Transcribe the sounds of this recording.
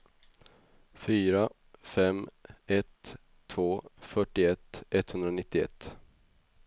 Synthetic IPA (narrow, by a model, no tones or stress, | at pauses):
fyːɾa | fɛmɛt̪ʰː | voːfœʈːɪɛt̪ɛt̪ːhɵnd̪ɾanɪt̪ːɪɛ̰t̪ː